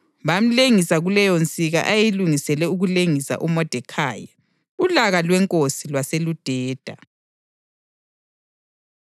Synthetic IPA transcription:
βam̩leŋisaɣulɛjɔnt͡sʼiɣa̰ʔajiluŋisɛlɛuɣuleŋisa̰ʔumɔd̥ʱɛkʰaːja | ulaɣalwɛŋkʼosilwaselud̥ʱɛːd̥ʱa̰

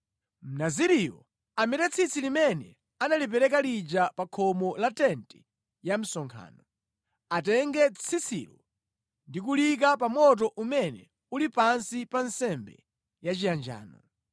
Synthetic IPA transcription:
m̩naziɾijɔ̰ | amɛtɛt͡sʰit͡sʰilimɛnɛ̰ | analip̬ɛɾɛkalid͡ʒapakʰɔmɔlatɛntɛ | jam̩sɔŋkʰa̰ːnɔ | atɛŋɡɛt͡sʰit͡sʰḭlɔ | ndik̬ulik̬apamɔt̬ɔʔumɛnɛ̰ | ulipansipansɛmbɛ̰ | jat͡ʃijand͡ʒa̰ːnɔ

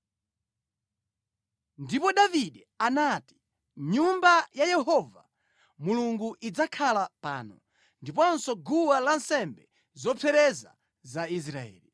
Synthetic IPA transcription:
ndipɔɗaviɗɛ | anati̥ | ɲumbajajɛɦɔva̰ | muluŋɡuʔid͡zakʰalapa̰ːnɔ̰ | ndipɔnsɔɡuwalansɛmbɛ | zɔpʰɛɾɛza̰ | zais̬ɾaɛ̰ːli

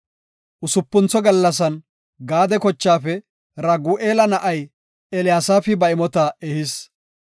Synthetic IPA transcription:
ʔʊsʊpːʊnt͡sɔɡɐlːɐs̬ɐn | ɡaːd̪ɛkɔt͡ʃːaːfɛ | ɾɐɡuːʔeːlɐnɐʔɐj | ɛlɪjaːsaːfɪbɐɪmɔt̪ɐɛhɪs

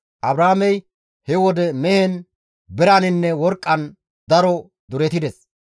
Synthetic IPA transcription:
ʔɐbɾaːmɛj | hɛwɔd̪ɛmɛhɛn | bɛɾanɪnːɛwɔɾkʼːɐn | d̪ɐɾɔ | d̪ʊɾɛt̪ɪd̪ɛs

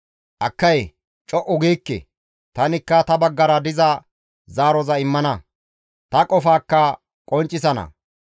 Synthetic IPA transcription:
ʔɐkːɐj | t͡ʃʼɔʔʊɡiːkːɛ̰ | t̪ɐnɪkːɐt̪ɐbɐɡːɐɾɐd̪ɪzɐ | zaːɾɔzɐɪmːɐnɐ | t̪ɐkʼɔfaːkːɐ | kʼɔnt͡ʃʼːɪs̬ɐnɐ̰

